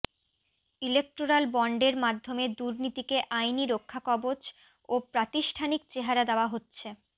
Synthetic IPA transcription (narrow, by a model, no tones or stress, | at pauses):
ilek̚ʈɾoɾalbɔɳɖeɾmad̪ʱːomed̪uɾnit̪ikeʔajniɾokʰːakɔbod͡ʑ | opɾat̪iʃʈʰanik̚t͡ɕeɦaɾad̪eoaɦotːɕʰe